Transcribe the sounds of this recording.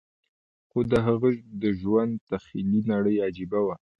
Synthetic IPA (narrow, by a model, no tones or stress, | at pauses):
xod̪əɦaɣəd̪əʒwand̪̚t̪axilinaɽəjɑd͡ʒɪbawa